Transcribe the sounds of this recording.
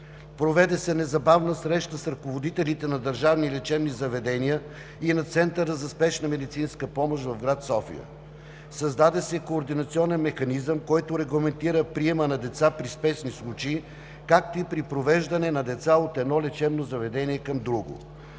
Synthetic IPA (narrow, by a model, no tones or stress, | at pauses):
pɾovɛd̪ɛsɛnɛzɐbavnəsɾɛʃt̪əsɾɐkovod̪it̪ɛlit̪ɛnɐd̪əɾʒavnilɛt͡ʃɛbnizɐvɛd̪ɛnijə | inɐt̪sɛnt̪əɾəzɐspɛʃnəmɛd̪it̪sinskəpɔmoʃvɐvɡɾat̪sɔfḭə̰ | sɐzd̪ad̪ɛsɛkoːɾd̪inɐt̪siɔnɛnmɛxɐnizəmkɔjt̪oɾɛɡlˠɐmɛnt̪iɾəpɾiɛmənɐd̪ɛt̪sapɾispɛʃnislˠut͡ʃɛː | kak̚t̪oipɾipɾovɛʒd̪ɐnɛnɐd̪ɛt̪saot̪ɛd̪nɔlɛt͡ʃɛbnozɐvɛd̪ɛnʲiɛkɐmd̪ɾuɡo̰